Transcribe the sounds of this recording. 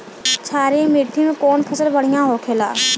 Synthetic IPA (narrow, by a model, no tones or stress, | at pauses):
t͡ʃʰaːɾemɪʈʰimẽkɔːnpʰəsəlbəɽ̤ɪijãɦoːkʰeːla̰ː